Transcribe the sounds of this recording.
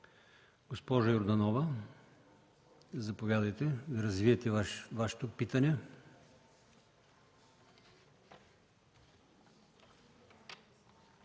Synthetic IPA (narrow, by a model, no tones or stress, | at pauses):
ɡ̥ospɔʒɐjoɾd̪ɐnɔvɐ | zɐpovʲjad̪ɐjt̪ɛd̪ɐɾɐzviɛt̪ɛvaʃɛ̥t̪opit̪ɐnɛ